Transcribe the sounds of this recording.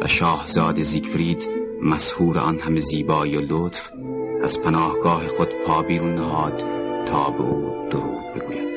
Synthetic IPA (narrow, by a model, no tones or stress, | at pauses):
væ̰ʃɒːhz̥ɒːd̪ezikʰfɾiːd̪mæshuːɾeʔɒ̰nhæmeziːbɒːiolot̪f | æz̥pʰænɒːhɡ̥ɒːhexod̪̥pʰɒːbiɾunːæɦɒːd̪̥t̪ʰːɒːbḛuːd̪̥oɾṵːd̪be̞̰ɡuːjæd̪̥